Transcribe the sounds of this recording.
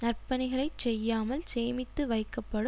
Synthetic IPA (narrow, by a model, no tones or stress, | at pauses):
nɐrpːɐnɐɪɣɐɭɐɪt͡ʃsɛjːaːmɐlseːmɪt̪ːɯʋɐɪkːɐpːɐɽɯ